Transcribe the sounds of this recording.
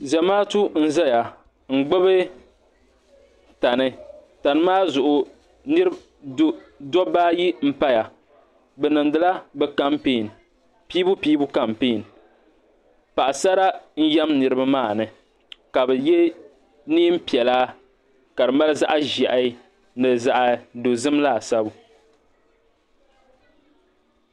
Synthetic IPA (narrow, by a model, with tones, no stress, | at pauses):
za˨maː˦tu˦n̩˦za˦ja˨ | ŋ̩˨ɡ͡bɛ˦βɨ˦ | ta˨nɨ˦ta˨nɨ˦maː˦zʊ˨ʔʊ˨ | nɨ˦ɾɨ˦b | dɔ˦baː˦ji˦m̩˦pa˦ja˨ | bɛ˨nɨ˨ndɨ˨la˦bɛ˦ka˦mpeː˦˨n˨ | piː˦bu˦piː˦bu˦ka˨mpeː˦˨n˨ | pa˨ʔa˨sa˦ɾa˦n̩˦jɛ˦mnɨ˨ɾɨ˦ba˦maː˦˨nɨ˨ | ka˨bɛ˨jɛ˦ | niː˦m̩˦pi˨ɛ˨laː˦ | ka˨ɾɨ˨ma˦lɨ˦za˦ʔa˦ʒɛ˨ʔa˨i˦ | nɨ˨za˨ʔa˨do˨zɨ˦mla˦˨sa˦bu˨